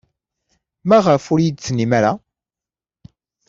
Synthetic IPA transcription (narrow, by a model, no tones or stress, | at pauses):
mæʁəfʊɾjid̪t͡sːnimaɾa